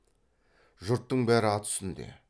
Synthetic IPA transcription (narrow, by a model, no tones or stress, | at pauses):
ʒʊɾt̪ːəɴbæɾɪɑt̪ʰʏ̥sɪnd̪e̞̰